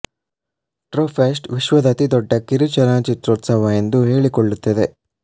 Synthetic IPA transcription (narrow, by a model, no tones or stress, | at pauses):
ʈɾoːpʰeːsʈʋiʃʋɐd̪ɐt̪id̪ɔɖːɐkiɾit͡ʃɐlaːnt͡ʃit̪ɾoːt̪sɐʋɐjend̪uɦe̞ːɭikoɭːut̪ːɐd̪e̞